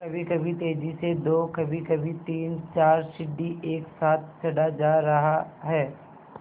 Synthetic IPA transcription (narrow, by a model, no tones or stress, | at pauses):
ɐbʱikɐbʱit̪eːd͡ʒised̪oːkɐbʱikɐbʱit̪iːnt͡ʃaːɾʃɪɖːiʔeːksaːt̪̚ʰt͡ʃʰɐɽad͡ʒaːɾɐɦaɦɛː